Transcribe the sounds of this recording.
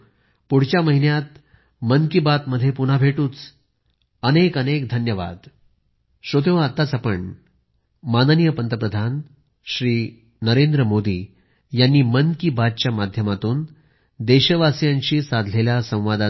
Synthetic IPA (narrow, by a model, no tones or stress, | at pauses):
puɽ̤t͡ɕjaməɦinjat̪̚ | mənkibat̪məd̪ʱːjepun̤abʱeʈuːt͡s | ənekənekd̪ʱənjəʋa̰d̪ | ɕot̪eʋat̪ːat͡sapəɳ | manənijəpənt̪əpɾəd̪ʱan | ɕɾiː | nəɾend̪ɾəmod̪ḭː | janːiːmənkibad̪̚t͡ɕjamad̪ʱjəmat̪uːn | d̪eɕəʋasjaɲt͡ɕiːsad̪ʱleljasə̃w̃ʋad̪a